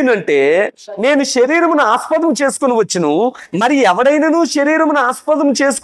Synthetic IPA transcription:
nɐɳʈe̞ːne̞ːnuʃɐɾiːɾɐmunuaːspɐt̪ɐmt͡ʃe̞ːsu̥kuniʋɐt͡ʃːinumɐɾiɛʋɐɽɐjnɐnuːʃɐɾiːɾɐmunuaːspɐt̪ɐmt͡ʃe̞ːsu̥k

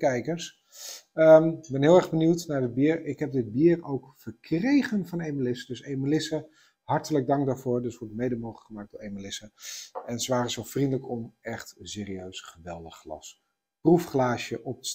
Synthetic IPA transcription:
kɛjkəs | əmbɛnɦɪːlˠɛɹɣbəniwtnaɹdɪd̚biːɹɪkɦɛp̚dɪd̚biːrowkfəɹkrejχənvɑnejməlɪsədøsejməlɪsə | hɑɹtələɡ̚dɑŋk̚daːɹvʊːɹdøsʋɔɹtmejdəmowχləkχəmaːk̚dʊːɹejməlɪsəɛnsəʋaːrəsɔlˠfrindələkɔmɛχtseːɾiøɥsχəʋɛlˠdəχːlɑ̰s | prufχlaːʃjəʔɔp̚tə̥

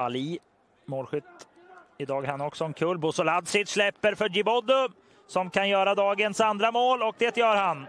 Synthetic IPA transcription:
ali | moːlɧʏt̪ | ɪd̪ɑːɡhanɔksɔɛnkʰɵlbʊsɔlad̪sɪt̪ʂlɛpːəɾfœd͡ʒɪbɔd̪ʊ | sɔmkʰanjœːɾad̪ɑːɡənsand̪ɾamoːlɔk̚d̪ɛːt̪jœːɾhan

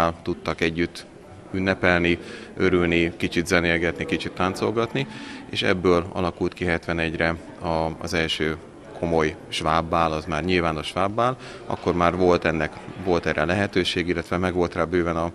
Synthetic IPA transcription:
alt̪ut̪ːɒkɛɟːyt̪ː | ynːɛpɛlniøɾylnikit͡ʃit̪zɛnelɡɛt̪nikit͡ʃit̪ːant̪so̞lɡɒt̪nieːʃɛ̰bːøːlɒ̰lɒkult̪kiɦɛt̪ʋɛnɛɟrɛ | ɒ̰ːzɛlʃøː | kʰo̞mo̞jʃʋaːbːaːlɒzmaːrɲilvaːnoʃʋaːbːaːl | ɒ̰kːo̞rmaːrvo̞lt̪ɛnːɛkʋo̞lt̪ɛɾɛlɛɦɛt̪øːʃeːɡilːɛt̪ʋɛmɛɡʋo̞lt̪raːbøːvɛnɒ

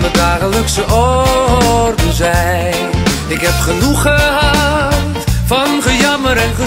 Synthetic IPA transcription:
nədaːχələksəʔɔ | rdəzɛj | n | ɪkɦɛpχənuχəɦattfɑnχəjɑməɾɛnχə

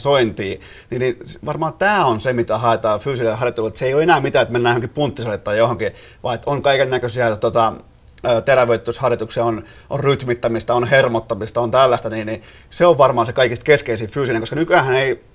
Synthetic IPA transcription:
soint̪iː | niːnisʋɑrmɑːt̪æːonsemit̪æhɑet̪ɑːfyːsileɑrjɑt̪ːulːet̪et̪seijoːenæːmit̪æːt̪menːæːjohoŋkippunt̪ːisot̪et̪ːɑːjjohoŋki | ʋɑ̰iet̪oŋkɑikennækøsiæt̪ot̪ɑ | øːt̪eræʋˑeyt̪ːyshɑrjɑt̪uksiɑon | ʔorryt̪mit̪ːæmist̪ɑonhermot̪ːɑmist̪ɑont̪ælːæst̪æniːnni | seoʋʋɑrmɑːnsekɑikist̪̚keskeisifyːsineŋkoskɑnykyæhænei

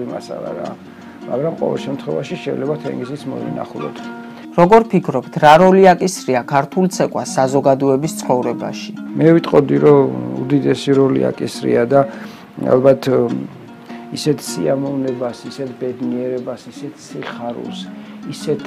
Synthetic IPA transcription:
ima̰sa̰la̰ɾa̰ː | maɡɾamqʼɔ̰vɛ̰lˠʃɛmt̪ʰχwɛvaʃiʃɛilɛbat̪ʰɛ̰ŋɡzismɔ̰vḭna̰χlˠɔ̰t̪ʰ | ɾɔɡɔɾpʰikʰɾɔpt̪ʰɾaɾɔliakʼisɾiakʰaɾt̪ʰult̪sʰɛkʼwasːazɔɡad̪ɔɛbist̪sʰχɔvɾɛba̰ʃimɛvit̪ʼqʼɔd̪iɾɔṵd̪id̪ɛsiɾɔlḭa̰kʼisɾḭad̪a | a̰lˠbat̪ʰ | isɛt̪ʰsiamɔvnɛbasisɛt̪ʰbɛd̪niɛɾɛbasisɛt̪ʰsiχaɾṵsisɛt̪ʰ

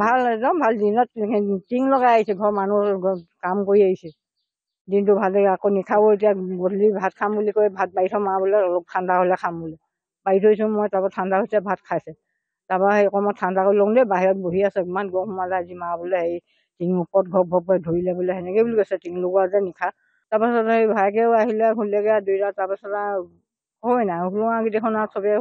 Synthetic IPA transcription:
bʱalɛdɔmbʱaldinɔttiŋlɔɡaaɦisɛɡʱɔmanukamkoɹiaɦisɛ | dintʊbʱaldɛɡakɔnikʰabɔet̬ijaɡolibʱatkʰambulikɔbʱat̚baitʰɔmabulɛɔlɔk̚tʰandʱakolɛkʰambulɛ | baitʰojsũmɔjtapɔtʰandahojsɛbʱat̚kʰajsɛ | taɹpaɦejɔkɔmɔtʰandʱakoɹilɔŋdɛbaɦiɹɔt̚boɦiasɛkmanɡɔxɔmazɛazimabɔlɛhej | tiŋupɔt̚ɡʱɔbʱɔb̚ɔjdʱoilɛbɔlɛɦɛnɛkɛbulikojsɛtiŋlʊɡɔazɛnikʰa | tapasɔthejbʱajkɛaɦilɛkʰulɛɡɛadujtataɹpasɔta | hojnauluŋakidɛxʰɔnasʰɔbɛ

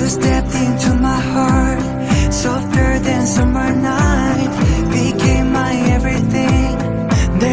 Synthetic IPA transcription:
stɛp̚tɪ̃ntumaɪhɑɹt̚ | soʊθɜ˞ðɨ̃nsʌmə˞naɪ | t̚b̥ikʰẽɪ̃mlaɪɛvɹiθɪ̃ŋ | ðɛ

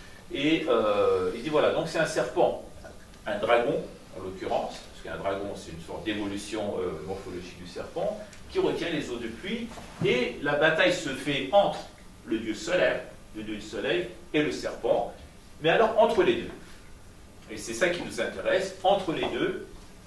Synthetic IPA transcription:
eøild̪ivwalad̪ɔ̃ksɛt̪ɛ̃sɛʁpɑ̃ | ɛ̃d̪ʁaɡɔ̃ | ɑ̰̃lɔkʲyʁɑ̰̃spskəɛ̰̃d̪ʁaɡɔ̃sɛt̪ynsɔ̰ʁt̪̚d̪evɔlysjɔ̃ø̰mɔʁfɔlɔʒik̚d̪ysɛʁpɑ̃ | kʲiʁət̪jɛ̃lezod̪əplɥi | elabat̪ajsəfɛɑ̃t̪χ | ləd̪jøsɔlɛʁ | ləd̪jød̪ysɔlɛj | eləsɛʁpɑ̃ | mɛalɔʁɑ̃t̪χəled̪ø | esɛsakʲinuzɛ̃t̪eʁɛsɑ̃t̪χəled̪ø

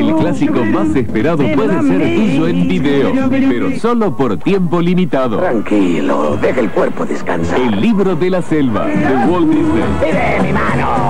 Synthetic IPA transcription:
elklasikomasespeɾaðopweðeseɾt̪uʒoẽmbiðeo̰peɾosolopoɾt̪jempolimit̪aðot̪ɾaŋkilo̰ðeɣelkweɾpoðeska̰nsaelːiβɾoðelaselβa̰ðewolbisḛiɾemimano

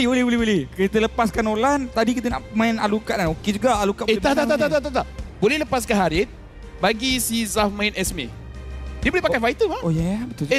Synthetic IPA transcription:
ibolɪbolɪhbolɪhkɾit̪ələpaskanolant̪adikit̪̬ənaʔmaina̰lukaʔnaoked͡ʒuɡaalukaʔet̪at̪aat̪at̪at̪at̪abolɛhləpas̬kanɦaɾɪt̪̚ | baɡisizafmãɪnɛsmḛ | diəbolɛhpakajfait̪əmaojɛbət̪u

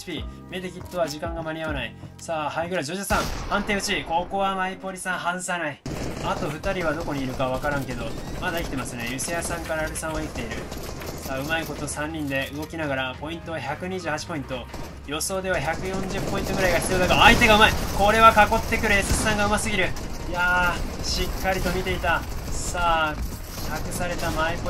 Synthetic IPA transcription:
pʲime̞d̪ekʲit̪ːo̞βaʑikãŋɡamaɲʲiaβanaisaːhaiɡɯ̟ɾad͡ʑoʑɨsãŋhãnt̪ẽ̞ɯ̟t͡ɕiko̞ːko̞ːβamaipo̞ɾʲisãɰ̃ɦãɰ̃sanaiat̪o̞ɸɯ̟t̪aɾʲiβad̪o̞ko̞ɲ̟iːɾɯ̟kaβ̞akaɾãŋke̞d̪o̞mad̪aekʲit̪e̞masɨne̞jɯ̟sejasãŋkaɾaːɾɯsãɰ̃βaikʲi̥t̪e̞iɾɯ̟saːɯ̟maiko̞t̪osãɲ̟ːĩnd̪e̞ɯ̟ɡo̞kʲinaɡaɾapo̞ĩnt̪o̞βaçakɯ̟ɲ̟iʑɨːhat͡ɕi̥po̞ĩnt̪o̞ | jo̞so̞ːd̪e̞βaçakɯ̟jõ̞ɲ̟d͡ʑɨpːo̞ĩnt̪oɡɯ̟ɾaiɡaçi̥t͡sɨjod̪akaait̪e̞ɡaɯmaiko̞ɾe̞βakako̞t̪ːe̞kɯ̟ɾɯ̟e̞sɨsɨ̥sãŋɡaɯ̟masɨɡʲiɾɯ̟ | ja | ɕikːaɾʲit̪o̞mʲit̪e̞it̪asaː | kʰakɯ̟saɾe̞t̪amaipo

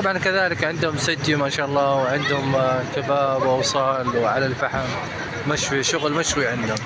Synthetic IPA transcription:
t̪ɑbʕɑnkaðaːlɪkʕɪnd̪hʊmsad͡ʒːimaːʃaːʔɑlˤːɑːwʕɪnd̪hʊmkabaːbʔɑwsˤɑːlwʕalalfaħamː | aʃwiʃʊɣlmaʃwiʕɪnd̪hʊm

